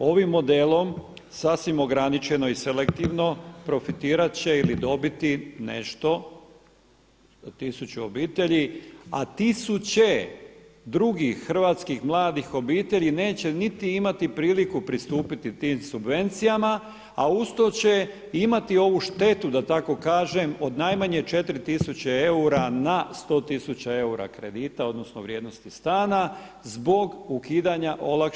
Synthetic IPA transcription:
o̞ʋimːo̞d̪elˠo̞m | sasʋimo̞ɡɾanit͡ʃe̞no̞isele̞k̚t̪iʋno̞pɾo̞fit̪iːɾat̪t͡ɕe̞ilid̪o̞bit̪inḛʃt̪o̞ | t̪isut͡ɕuobiːt̪e̞ʎia̰t̪isut͡ɕe̞ | d̪ɾuɡixr̩ʋat̪skixmlˠaːd̪ixo̞biːt̪e̞ʎine̞ːt͡ɕe̞nit̪iimat̪ipɾiːlikupɾist̪uːpit̪it̪iːmsubʋe̞nt̪sijama | aust̪o̞t͡ɕe̞ | imat̪io̞ʋuʃt̪e̞t̪ud̪at̪ako̞kaːʒemo̞d̪najmaɲe̞t͡ʃe̞t̪ɾit̪isut͡ɕee̞uɾanast̪o̞ːt̪isut͡ɕae̞uɾa̰kɾe̞d̪iːt̪ao̞d̪no̞snoʋɾje̞ːd̪no̞st̪ist̪aːna | zbo̞ɡukiːd̪aɲaʔo̞lak

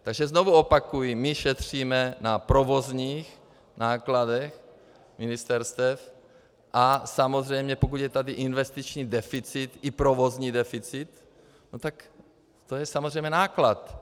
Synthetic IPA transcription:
t̪aɡʒɛzno̞vuo̞pakujimɪʃɛt̪r̝̥iːmɛnapɾovo̞zɲiːx | nʔaːkladɛx | mɪnɪst̪ɛɾst̪ɛf | ʔasamozrɛjmɲɛpok̬ut̪jɛt̪adɪʔɪnvɛst̪it͡ʃɲiːdɛfɪt͡sɪt̪ʔɪpɾovo̞zɲiːdɛfɪt͡sɪt̪ | not̪ak | t̪ojɛsamozrɛjmɲɛnaːklat̪

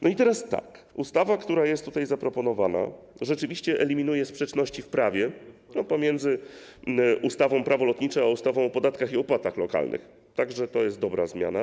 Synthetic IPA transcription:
nɔit̪ɛɾast̪a̰kust̪avakt̪uɾajɛst̪ːut̪ajzapɾɔpɔnɔvana̰ | ʐɛt͡ʂɘvʲiɕt͡ɕɛʔɛlʲimʲinujɛspʂɛt͡ʂnɔɕt͡ɕifpɾavʲjɛnɔpɔmʲjɛnd̪zɘ | ʔust̪avɔ̃w̃pɾavɔlɔt̪ɲit͡ʂɛaust̪avɔ̃w̃ɔpɔd̪at̪kaxiɔpwat̪axlɔka̰lnʔɘ̰x | t̪aɡʐɛt̪ɔjɛst̪̚d̪ɔbɾa̰zmʲja̰na

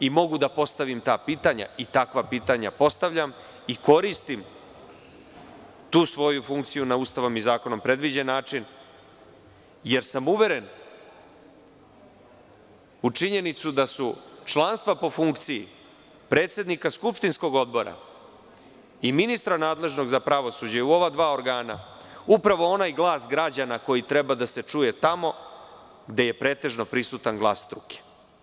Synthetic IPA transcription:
imo̞ɡud̪apo̞st̪aʋimt̪aːpiːt̪aɲa̰it̪akʋapiːt̪aɲa̰po̞st̪aʋʎam | iko̞ɾist̪im | t̪uːsʋo̞jufuŋkt̪sijunaust̪aʋo̞mizaːko̞no̞mpɾe̞d̪ʋid͡ʑe̞nːaːt͡ʃin | je̞ɾsamuʋe̞ɾe̞n | ut͡ʂiɲe̞nit̪sud̪asut͡ʃlˠanst̪vʋapo̞fuŋkt̪siḭ | pɾeːt̪se̞d̪nikaskupʃt̪insko̞ɡo̞d̪bo̞ɾa̰ | iminist̪ɾanaːd̪le̞ʒno̞ɡzapɾaʋo̞sud͡ʑauo̞ʋad̪ʋaːo̞ɾɡaːna̰upɾaʋo̞o̞najɡlˠaːsɡɾad͡ʑanako̞jit̪ɾebad̪ase̞t͡ʂuje̞t̪amo̞ | ɡd̪e̞je̞pɾe̞ːt̪e̞ʐnopɾisut̪anɡlˠa̰ːsːt̪ɾuke̥

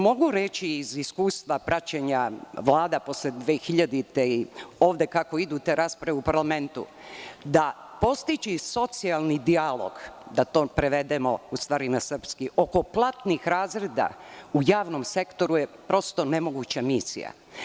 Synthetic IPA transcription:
mo̞ɡuɾet͡ɕiːziskuːst̪ʋapɾʔat͡ɕeɲaʋlˠaːd̪apo̞sled̪ʋeːxiʎad̪it̪eio̞ːʋd̪e̞kako̞id̪ut̪e̞ɾaːspɾaʋeupaɾlˠame̞nt̪ṵ | d̪a | po̞st̪it͡ɕiso̞t̪sialˠnid̪ialˠo̞̰ɡd̪at̪o̞ːpɾeʋe̞d̪emo̞ust̪ʋaːɾinasr̩pskio̞ko̞plˠat̪nixɾaːzɾed̪a̰ujaːʋno̞mse̞kt̪o̞ɾujepɾo̞st̪o̞ne̞mo̞ɡut͡ɕamisḭja̰

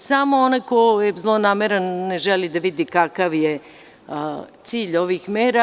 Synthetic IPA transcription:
samoonajkojezlˠonaːmeɾanːeʒelid̪aʋid̪ikakaʋje | t̪siːʎo̞ʋiːxmeːɾa

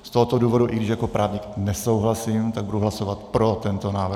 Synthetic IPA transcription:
st̪oɦot̪oduːvo̞duʔɪɡdɪʃjako̞pɾʔaːvɲiknɛso̞wɦlasimt̪aɡ̚buduɦlaso̞vat̪pɾo̞t̪ɛnt̪onaːvɾ

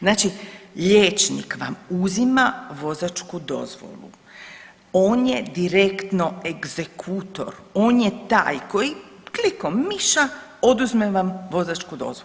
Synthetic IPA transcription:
znaːt͡ʃiʎeːt͡ʃnḭkʋa̰muzimaʋo̞zat͡ʃkud̪o̞̰zʋo̞̰lṵ | o̞ːnjed̪iɾe̞kt̪no̞e̞ɡz̥e̞kʰut̪o̞̰ɾo̞ːnjet̪a̰ːjko̞jiklikommiʃao̞d̪uzmeʋamʋo̞zat͡ʃkud̪o̞̰zʋo

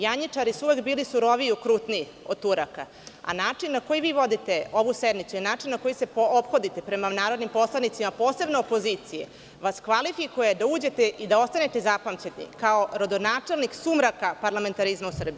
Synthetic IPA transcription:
jaɲit͡ʂaɾisuuʋekbiːlisuɾo̞ʋijukɾut̪ni | ot̪uɾaka̰ | a̰naːt͡ʂinːako̞jiʋiːʋo̞d̪it̪e̞o̞ʋused̪nitsuinaːt͡ʂinnːako̞jise̞poopxo̞d̪it̪e̞pɾe̞manaːɾo̞d̪nimpo̞slˠanit̪simapo̞ːse̞bnoopo̞ziːt̪sijḛ | ʋaskʋalifikujed̪auːd͡ʑe̞t̪eʔid̪ao̞st̪ane̞t̪e̞zapamt͡ɕennḭkao̞ɾo̞d̪o̞naːt͡ʂe̞lˠniksumɾakapaɾlˠame̞nt̪aɾizmausr̩bi

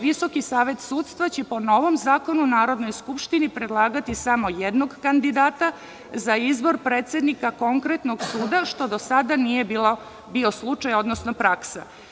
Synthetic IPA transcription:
ʋiso̞kisaːʋe̞t̪suːt̪st̪ʋat͡ɕepo̞no̞ʋo̞mzaːko̞nunaːɾo̞d̪no̞jskupʃt̪inipɾe̞d̪lˠaːɡat̪isamo̞jed̪no̞ɡkand̪id̪aːt̪a | zaizbo̞ɾpɾeːt̪se̞d̪nikako̞ŋkɾe̞t̪noɡsuːd̪aʃt̪o̞d̪o̞sad̪anije̞biːlo | bio̞slˠut͡ʂajo̞d̪nosnopɾaksa̰

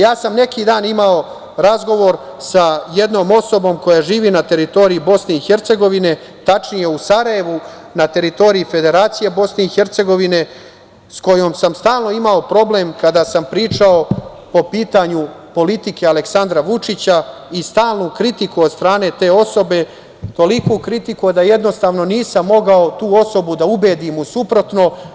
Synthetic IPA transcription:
jaːsamne̞kid̪aːnimao̞ | ɾazɡo̞ʋo̞ɾ | saje̞d̪no̞ːmo̞so̞bo̞ːmko̞jaʒiːʋinat̪e̞ɾit̪oɾiibo̞sne̞ixe̞ɾt̪se̞ɡo̞ʋine̞ | t̪at͡ʂnije̞usaɾaje̞ʋu | nat̪e̞ɾit̪o̞ɾiife̞d̪e̞ɾaːt̪sije̞bo̞sne̞ixe̞ɾt̪se̞ɡo̞ʋine̞ | sko̞jo̞msamst̪aːlˠno̞imao̞pɾo̞ble̞mkad̪aːsampɾiːt͡ʃao̞ | po̞piːt̪aɲupo̞lit̪ike̞ale̞ksand̪ɾaʋut͡ʂit͡ɕa | ist̪aːlˠnukɾit̪ikuod̪st̪ɾaːne̞t̪e̞ːo̞so̞be̞ | t̪o̞likokɾit̪ikujed̪aje̞d̪no̞st̪aːʋno̞niːsamːo̞ɡao̞t̪uːo̞so̞bud̪aubeːd̪imusupɾo̞t̪no̞

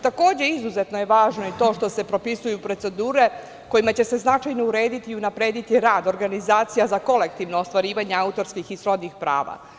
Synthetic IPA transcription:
t̪ako̞ːd͡ʑe̞izuze̞t̪no̞je̞ʋaːʒno̞it̪o̞ːʃt̪o̞se̞pɾo̞pisujupɾo̞t̪se̞d̪uːɾe̞ | ko̞jimat͡ɕe̞se̞znat͡ʃajno̞uɾe̞ːd̪it̪iːunapɾe̞ːd̪it̪iɾaːd̪o̞ɾɡanizaːt̪sijazako̞le̞k̚t̪iːʋnoost̪ʋaɾiːʋaɲeaut̪o̞ɾskixisɾo̞d̪nixpɾa̰ːʋa̰

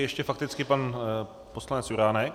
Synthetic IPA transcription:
jɛʃcɛfak̚t̪ɪt͡skɪpan | poslanɛt͡sjuɾaːnɛk

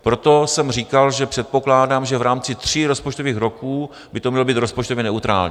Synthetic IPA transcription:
pɾo̞t̪o̞sɛmriːkalʒɛpr̥ɛt̪̚po̞klaːdaːmʒɛvɾaːmt͡sɪt̪r̝̥iːɾo̞spot͡ʃt̪oviːxɾokuː | bɪt̪omɲɛlobiːt̪ɾo̞spot͡ʃt̪ovjɛnɛut̪ɾa̰ːlɲː

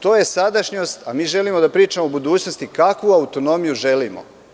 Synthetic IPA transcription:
t̪oːje̞sad̪aʃɲost̪amiːʒe̞limo̞d̪apɾiːt͡ʃamobud̪uːt͡ɕnost̪ikakʋuaut̪o̞no̞mijuʒe̞limo̰

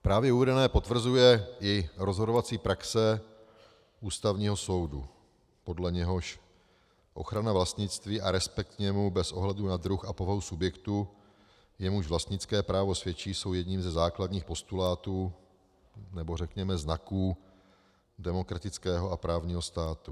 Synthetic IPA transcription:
pɾaːvjɛuvɛdɛnɛːpo̞t̪vr̩zujɛʔɪɾo̞zɦo̞dovat͡siːpɾaksɛ | ʔuːst̪avɲiːɦoso̞wdu | po̞dlɛɲɛɦo̞ʃ | ʔo̞̰xɾanavlast̪ɲɪt͡st̪viːʔaɾɛspɛk̚t̪ɲɛmubɛsʔo̞ɦlɛdunad̪ɾuxapo̞vaɦusubjɛkt̪u | jɛmuʃvlast̪ɲɪt͡skɛːpɾaːvo̞svjɛt͡ʃiːso̞wjɛdɲiːmzɛzaːkladɲiːxpo̞st̪ulaːt̪uː | nɛbo̞rɛkɲɛmɛznakuː | dɛmo̞kɾat̪ɪt͡skɛːɦo̞apɾaːvɲiːɦo̞st̪aːt̪u

